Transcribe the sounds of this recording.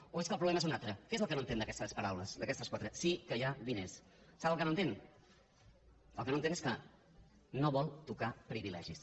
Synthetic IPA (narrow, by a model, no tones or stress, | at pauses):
oeskəlˠpɾuβlɛmezunat̪ɾəkezəlˠkənoənt̪end̪əkɛst̪əspəɾawləsd̪əkɛst̪əskwat̪ɾəsikəjaβinesː | aβəlˠkənoənt̪en | ə̰lˠkənõənt̪eneskə | noβɔlˠt̪ukapɾiβilɛ̰ʒis